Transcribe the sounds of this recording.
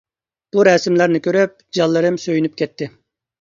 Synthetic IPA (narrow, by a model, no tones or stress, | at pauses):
b̥uɾɛsmlæɾnɪkʲøɾyp̚d͡ʒɑlˠːɨɾɨmsøjynyp̚kʲʰɛt̪ʰːɪ